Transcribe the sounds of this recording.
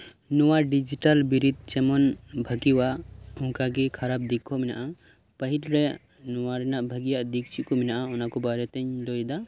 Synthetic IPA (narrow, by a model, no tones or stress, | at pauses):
nɔwaɖid͡ʒiʈalbiɾid̪̚t͡ʃɛmɔnbʱəɡiwaɔ̃ŋkaɡɛkʰaɾab̚d̪ikʰːɔmina̰ʔa | pəɦilɾɛ | nɔwaɾɛnaʔbʱəɡijaʔd̪ik̚t͡ʃʰiʔ̚kɔminaʔaɔnakɔbaɾɛt̪ɛɲlɔjd̪a